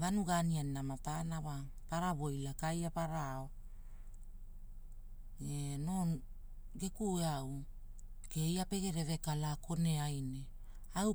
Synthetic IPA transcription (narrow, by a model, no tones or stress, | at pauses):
vanuɡanianinamatanawa | paɾaβo̞jlakajapaɾao | eno̞ | ɡe̞kueaw | kejape̞ɡe̞ɾe̞βe̞kalako̞ne̞ajne̞ | aw